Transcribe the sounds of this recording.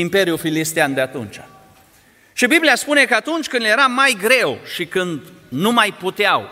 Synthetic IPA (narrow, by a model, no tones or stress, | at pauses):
impe̞ɾijufilist̪eand̪eat̪ṵnt͡ʃa | ʃibiblijaspune̞kəat̪unt͡ʃʲkɨnd̪je̞ɾamajɡɾe̞wʃikɨnd̪numajput̪eaw